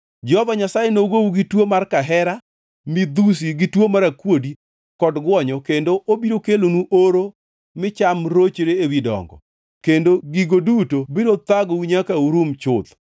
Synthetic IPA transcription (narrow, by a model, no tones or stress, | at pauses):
d͡ʒɛhovaɲasajenoɡowuɡitwomarkaɦɛɾa | mɪd̪us̬iɡitwomaɾakwodi | kɔdɡwɔɲɔkendoʔobiɾokelonuʔoɾo | mɪt͡ʃamɾot͡ʃeɾeewidɔ̰ŋɡɔ̰ | kendoɡiɡodutobiɾot̪aɡowiɲakauɾumt͡ʃʊt̪